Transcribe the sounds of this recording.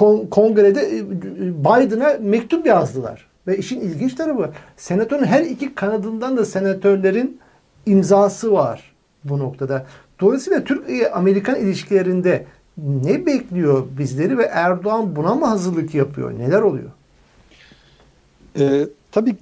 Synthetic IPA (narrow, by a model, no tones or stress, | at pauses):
kʰokʰo̞ŋɡɾed̪ɛ | bajd̪ɯnamɛct̪ʰupjazlˠɯlˠa̰ɾ̥ | vɛiʃinilʲɟint͡ʃt̪ʰaɾafɯ | se̞nat̪ʰøɾinɦæɾicʰikʰanad̪ɯnd̪and̪ase̞nat̪ʰøɾlʲe̞ɾin | imzaːsɯvaɾ̥ | buno̞kt̪ʰad̪a | d̪̥olˠajsiːlˠat̪ʰyɾcejɛʔame̞ɾikʰanilʲiʃcʰilʲeɾind̪ɛ | nɛbɛclʲijo̞bizlʲe̞ɾivɛʔæɾd̪oanbunamuɦazɯɾlˠɯkjapʰɯjo̰ne̞lʲæɾo̞lˠṵjo̞̰ | ɛːt̪ʰabiː